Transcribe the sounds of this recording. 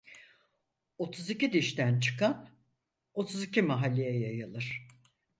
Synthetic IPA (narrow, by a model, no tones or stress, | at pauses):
o̞t̪ʰuzicid̪iʃt̪ʰænt͡ʃʰɯ̥kʰan | o̞t̪ʰuzicʰimaɦalʲːejɛjajɯlˠɯɾ̥